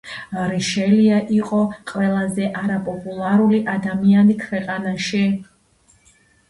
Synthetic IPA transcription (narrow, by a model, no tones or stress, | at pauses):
ɾiʃɛliaʔiqʼɔqʼwɛlˠazɛʔaɾapʼɔpʼulˠaɾuliʔad̪amianikʰwɛqʼanaʃi